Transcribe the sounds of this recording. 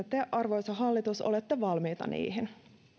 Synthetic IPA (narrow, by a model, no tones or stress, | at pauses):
et̪eʔɑrʋojsɑɦɑlːit̪uso̰let̪ːeʋɑlmiːt̪ɑ̰nḭːɦin